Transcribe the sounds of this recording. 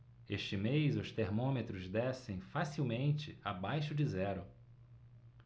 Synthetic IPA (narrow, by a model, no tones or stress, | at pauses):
eʃt͡ʃɪmejzʊst̪eɾmõmet̪ɾʊzd̪ɛsẽj̃fasiwmẽnt͡ʃɪabajʃʊd͡ʒɪzɛɾʊ